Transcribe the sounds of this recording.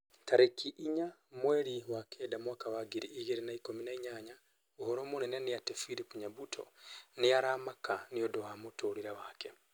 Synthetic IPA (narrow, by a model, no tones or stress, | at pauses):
taɾekʰiʔiɲa | mweɾiwakʰedamwakawaɡiɾiʔːɣeɾinaikominaiɲaɲa | uhoɾoːmunenenijatefiɾipuɲabutʰo̰nijaɾamakanijodohamotoɾiɾawake